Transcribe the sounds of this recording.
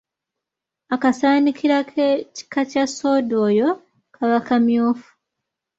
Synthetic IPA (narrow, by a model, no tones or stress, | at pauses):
akasaːnikʰiɾakʰeci̥kacasoːdoːjo̞ | kʰaβakamjoːfu̥